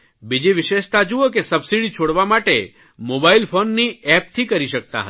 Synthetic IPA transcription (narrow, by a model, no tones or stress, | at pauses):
bid͡ʒiʋɪʃeʃt̪ad͡ʒuokesəbsiɖit͡ʃʰoɽʋamaʈe | mobailpʰonːiɛp̚t̪ʰikəɾiʃək̚t̪a̰ɦə̰